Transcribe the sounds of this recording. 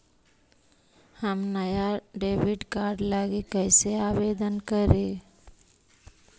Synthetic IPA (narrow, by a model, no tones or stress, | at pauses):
həmnəjaɖeːʋiɖkaɾɖlaɡekəɪseaːbed̪ənkəɾe